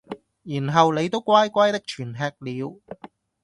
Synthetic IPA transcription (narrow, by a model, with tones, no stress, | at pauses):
jiː˨˩nɦɐ˨wne˨˧jt̪o˥wkʷaː˥jkʷaː˥jt̪ɪ˥k̚t͡ʃʰyː˨˩nɦɛː˧k̚liː˨˧w